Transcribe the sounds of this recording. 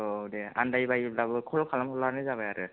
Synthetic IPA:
odɛa̰ndajbajilabɯkʰɔlkʰalamkʰɔlanɯzabajaɾɯ

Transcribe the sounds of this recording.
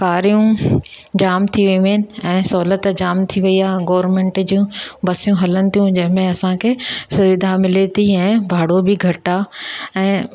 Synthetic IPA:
kaːɾijũ | d͡ʑaːmt̪ʰiʋiʋnɪ̆ɛ̃ːsɔːlət̪d͡ʑaːmt̪ʰiʋɐiaːɦɡɔːʋɾmẽɳʈd͡ʑũːbɐsijũɦɐlənɪ̆t̪ʰijũd͡ʑɐ̃ɦɪ̃mẽɐsãkʰeːsʊʋɪd̪ʱamɪlet̪ʰiɛ̃ːbʱaːɽobɪɡʱɐʈaɛ̃ː

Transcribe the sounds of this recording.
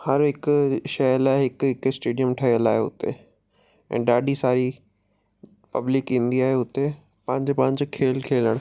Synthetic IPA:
hɐɾɦɪkʊʃɐjəlaːeɦɪkɦɪkɪsʈeːɖijəmʈʰɐɦijəlaːɦeʊ̰t̪e | ɛ̰̃ːɗaːɖisaːɾi | pɐblɪkĩːn̆d̪iaːɦeʊt̪e | pɐ̃ɦɪ̃ɲd͡ʑopɐ̃ɦɪ̃ɲ̆d͡ʑokʰeːlkʰeːləɽ̃

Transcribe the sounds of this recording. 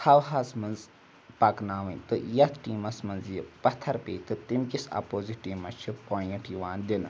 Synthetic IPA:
hɐwɦɐsmɨnz | pɐknaːʋɐ̃nt̪ɨjɐt̪ʰʈiːmɐsmɨnzjipɐt̪ʰːɐɾpḛːt̪ɨt̪imkʲisɐ̰poːziʈiːmɐt͡ʃʰupoːjiʈjiʋaːnd̪inɨ

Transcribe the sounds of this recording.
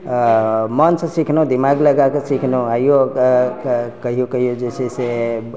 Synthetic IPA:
mənsə̃sikʰnõd̪imaɡləɡakesikʰnoajjo | kəɦijokəɦijod͡ʒesʰese

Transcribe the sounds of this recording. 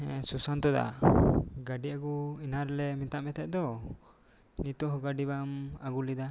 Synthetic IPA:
susant̪ɔd̪a̰ | ɡaɖiaɡuinaɾɛlɛmit̪aʔmɛt̪ʰɛʔ̚d̪ɔ | nit̪ɔɦɔɡaɖiβamaɡulid̪a

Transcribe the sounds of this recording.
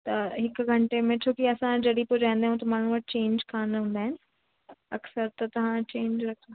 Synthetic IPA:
t̪ɐɦɪkʊɡʱɐ̃ɳʈemẽt͡ɕʰoːkiɐsãd͡ʑɐɗipod͡ʑãːĩnd̪aɦũt̪ɐmaːɳ̤uəʈ̚t͡ɕẽːɲd͡ʑkʰaːnɦũːnd̪aːɦɪnɪ̆ | ɐksəɾt̪ɐt̪ɐʋ̤ãt͡ɕẽːɲd͡ʑɾɐkʰa

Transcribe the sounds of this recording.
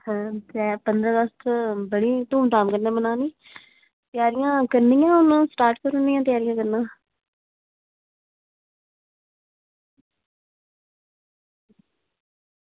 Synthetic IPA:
hɛ̃t̪ɛːpənd̪ɾãːɡəst̪bəɽiːt̪uːmt̪aːmkəɾneaːbənaːniː | t̪ɪjaːɾɪjãːkəɾniːãːʊnãːsʈaːɾʈkəɾʊniːãːt̪̬ɪjaːɾɪjãːkəɾnãː

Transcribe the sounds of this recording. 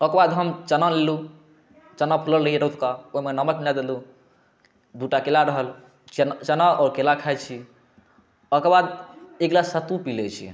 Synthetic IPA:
əkbad̪ɦəmt͡ʃənalelu | t͡ʃənapʰələlɾəɦiɾot̪kaoimenəməknad̪elu | d̪uʈakelaɾəɦəl | t͡ʃt͡ʃənaɔɾkelakʰat͡ʃʰi | əkɾbad̪eɡlasət̪upilet͡ʃʰḭ

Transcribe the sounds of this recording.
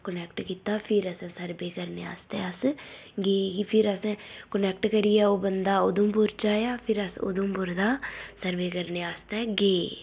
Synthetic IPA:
kənɛːkʈkiːt̪aːpʰɪɾəsɛ̃ːsəɾbeːkəɾneːa̰ːst̪ɛəs | ɡeːɡipʰɪɾəsɛ̃ːkənɛːkʈkəɾijaːoːbənd̪aːʊd̪õːpʊɾt͡ʃaːjaːpʰɪɾəsʊ̰d̪õːpʊɾd̪aːsəɾbeːkəɾneːaːst̪ɛːɡeː

